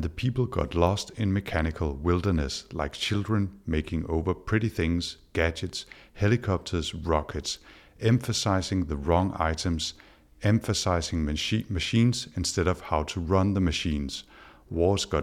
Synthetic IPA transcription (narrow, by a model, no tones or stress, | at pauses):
ðəpʰipl̩ˠɡɑ̰tˡlɔstɪ̃nmɨkʰænɪkʰəl̩ˠwɪlˠdə˞nɨslaɪk̚t͡ʃʰɪlˠdɹə̃nmeɪkʰɪ̃ŋoʊvə˞pʰɹ̥ɪɾiθɪ̃ŋz̥ɡ̥æd͡ʒɨts | helˠɨkʰɑp̚tʰə˞z̥ɹɑkʰɨts | ɛ̃ɱfəsaɪzɪ̃ŋðəɹɔ̃ŋʔa̰ɪɾə̃mz̥ | ɛ̃ɱfəsaɪzɪ̃ŋmɨʃĩːnz̥ɪ̃nstɛɾʌv̥haʊtʰəɹʌ̃nðəmɨʃĩːnz̥ | wɔz̥ɡ̥ɑ